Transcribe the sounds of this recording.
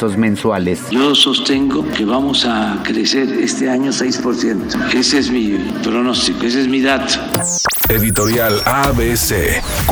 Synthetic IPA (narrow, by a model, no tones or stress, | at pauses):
ozmẽnswalesʝosost̪eŋɡokeβ̞amosakɾeseɾest̪eaɲosejspoɾθjent̪o̥esezmi | pɾonost̪ikoes̬ezmiðat̪o̥ | eðit̪oɾjalaβesḛ